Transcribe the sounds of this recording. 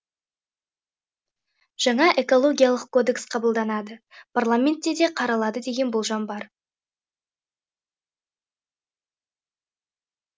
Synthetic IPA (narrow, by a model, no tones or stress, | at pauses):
ʒ̥ɑɴɑʔe̞ko̞lˠo̞ɡʲijalˠəq̚kʰːo̞d̪e̞ksqʰɑbəlˠd̪ɑnɑd̪əpʰarlˠamʲe̞nt̪ːe̞d̪e̞qʰɑɾɑlˠɑd̪əd̪e̞ɡʲe̞nbolˠʒɑmbɑɾ